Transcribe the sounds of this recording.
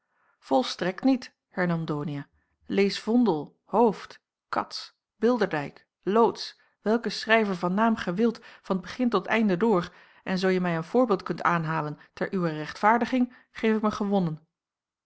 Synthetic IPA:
v̥ɔlˠstrɛktnit | hɛɹnɑmdoːnia | lejsv̥ɔndəlˠ | howft | kɑ̰ts | b̥ɪlˠdəɹdɛjk | lowts | ʋɛlˠkəsrɛjvəɹvɑnːaːmχɛʋɪlˠtfɑnəd̚bəχɪntɔtɛ̰jndədʊːɹ | ʔɛnzowjəmɛjənv̥ʊːɹbɪːlˠt̚kɵntaːnɦaːləntɛɹʔyʋərɛχtfaːɹdəχɪŋ | χejfɪkməχəʋɔnən

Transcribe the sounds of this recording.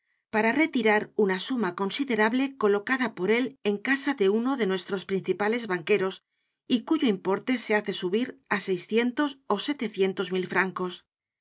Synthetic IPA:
paɾare̞t̪iɾaɾunasumako̞nsiðe̞ɾaβle̞ko̞lo̞kaðapo̞ɾe̞le̞ŋkasaðe̞uno̞ðe̞nwe̞st̪ɾo̞spɾin̟θipale̞zβaŋke̞ɾo̞s | ikuʝoimpo̞ɾt̪e̞se̞aθe̞suβiɾase̞jsθje̞nt̪o̞so̞se̞t̪e̞θje̞nt̪o̞zmilfɾaŋko̞s

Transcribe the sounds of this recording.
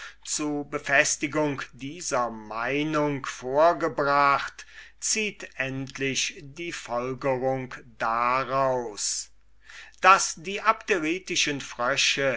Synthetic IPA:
t͡suɐbəfɛstɪɡʊŋkdiːzɐmaɪnʊŋkfoːɐɡəbʁaχtt͡siːtʔɛntʰlɪʃdiːfɔlɡəʁʊŋkd̥aʁaʊs | d̥asd̥iːʔapteʁiːtɪʃənfʁ̥œʃə

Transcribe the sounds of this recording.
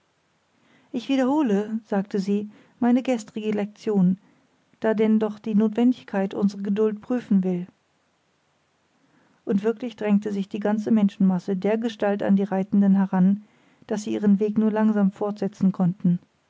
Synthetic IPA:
ʔɪçv̥iːdɐhoːləz̥aːktəziː | maɪnəɡɛstʁ̥ɪɡəlɛk̚t͡sjoːn | d̥aːdɛndɔχd̥iːnoːtv̥ɛndɪçkʰaɪtʔʊ̰nzəʁəɡədʊlt̚pʁ̥yːfn̩vɪl | ʔʊntv̥ɪɐklɪçd̥ʁɛŋtəzɪçd̥iːɡant͡səmɛnʃn̩masədeːɐɡəʃtalta̰ndiːʁaɪtn̩dənɦɛʁan | d̥asz̥iːʔiːʁ̞ənveːknuːɐlaŋzaːmfɔɐtz̥ɛt͡sn̩kʰɔntn̩

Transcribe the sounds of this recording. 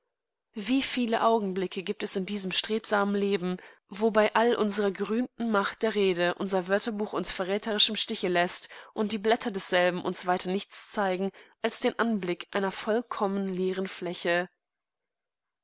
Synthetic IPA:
viːfiːləʔaʊɡŋ̩blɪkʰəɡiːp̚tɛsɪndiːzəmʃtʁ̥eːpz̥aːmənleːbm̩vobaɪʔalʔʊnzəʁɐɡəʁyːmtn̩maχt̚d̥eːɐʁeːdəʔʊnzɐvœɐtɐbuːxʊnsfɛɐʁɛːtʰəʁ̞ɪʃɪmʃtɪçəlɛstʔʊnt̚d̥iːblɛtʰɐdɛsz̥ɛlbm̩ʔʊnsv̥aɪtʰɐnɪçt͡st͡saɪɡŋ̩ʔalsd̥eːnʔanblɪkʔa̰ɪnɐfɔlkʰɔmənleːʁ̞ənflɛçə

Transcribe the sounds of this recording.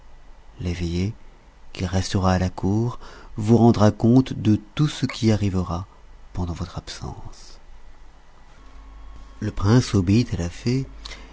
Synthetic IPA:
leveje | kʰʲiʁɛst̪əʁaːlakuːʁvuʁɑ̃d̪ʁakɔ̃t̪d̪ət̪usəkʰʲiaʁivəʁa | pɑ̃d̪ɑ̃vɔt̪χapsɑ̰̃s | ləpχɛ̃sobeit̪alafe

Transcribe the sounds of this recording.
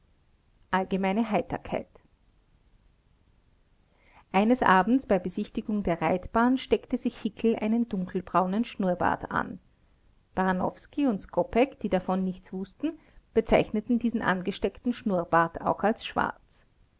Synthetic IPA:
ʔalɡəmaɪnəɦaɪtɐ̰kʰa̰ɪt | ʔaɪnəsʔaːbm̩t͡sb̥aɪbəzɪçtɪɡʊŋdeːɐʁaɪtb̥aːnʃtɛktəzɪçhɪkʰl̩ʔa̰ɪnəndʊŋkl̩bʁaʊnənʃnuːɐba̰ːta̰n | paʁnɔ̰fskiʊntskʰɔpɛkd̥iːdafɔnːɪçtt͡sv̥ʊstn̩ | b̥ət͡saɪçnətn̩diːzn̩ʔa̰nɡəʃtɛktn̩ʃnuːɐbaːtaʊxalsʃv̥a̰ɐt͡s

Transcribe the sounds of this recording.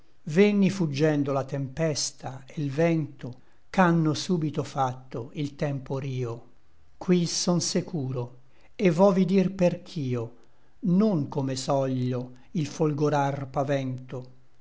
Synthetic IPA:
venːifud͡ʒːɛnd̪olat̪empɛst̪ʰaelvɛnt̪o | kanːosuːbit̪ofat̪ːoilt̪ɛmpoɾiːo | kwisɔnsekʰuːɾo | evːɔvid̪irperk̟ʰiːo | noŋkomesɔʎːo | ilfolɡoɾarpavɛnt̪o

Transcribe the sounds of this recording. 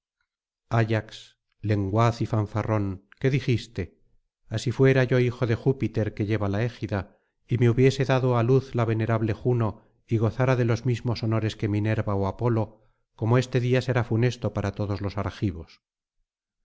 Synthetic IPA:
aʝaks | le̞ŋɡwaθifaɱfaro̞ŋke̞ðixist̪e̞ | asifwe̞ɾaʝo̞ixo̞ðe̞xupit̪e̞ɾke̞ʝe̞βalae̞xiða | ime̞uβje̞se̞ðaðoaluθlaβe̞ne̞ɾaβle̞xuno̞ | iɣ̞o̞θaɾaðe̞lo̞zmizmo̞so̞no̞ɾe̞ske̞mine̞ɾβaoapo̞lo̞ | ko̞moe̞st̪e̞ðiase̞ɾafune̞st̪o̞paɾat̪o̞ðo̞zlo̞saɾxiβo̞s

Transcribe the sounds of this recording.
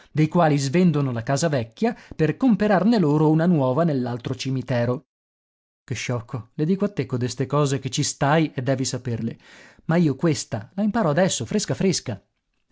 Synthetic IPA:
d̪ejkwaːlizvend̪onolakaːzavɛkʲːjaperkompeɾarneloːɾounanwɔːvanelːalt̪ɾot͡ʃimit̪ɛːɾo | keʃːɔkʰːoled̪iːkoat̪ːekːod̪est̪ekɔːzek̟et͡ʃːist̪ajed̪ːɛːvisaperle | maiːokwest̪a̰laimpaːɾɔad̪ɛsːofɾeskafɾeska

